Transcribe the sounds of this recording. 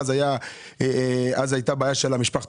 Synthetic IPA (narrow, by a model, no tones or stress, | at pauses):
zaja | azajt̪abaːjaʃelamiʃpaχt